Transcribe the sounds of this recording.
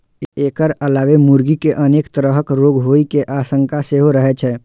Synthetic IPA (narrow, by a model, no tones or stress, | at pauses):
eːkəɾəlaːʋemuɾɡikeʔəneːkt̪əɾəɦəkɾoːɡɦoːikeʔaːsə̃ŋkaseɦoɾəɦɛt͡ʃʰɛ